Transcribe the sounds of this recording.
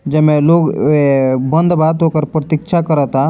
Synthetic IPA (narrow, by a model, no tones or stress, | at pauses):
d͡ʒɛmẽloːɡ | bənd̪bad̪okəɾpɾət̪ikʃʰakəɾət̪a